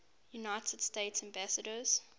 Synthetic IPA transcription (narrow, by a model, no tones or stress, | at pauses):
junaɪtʰəd̥steɪtsæ̃mbæsədəz̥